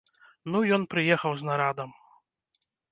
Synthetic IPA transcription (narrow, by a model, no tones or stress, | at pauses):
nujɔnpɾɨjɛxɐwznaɾad̪ɐm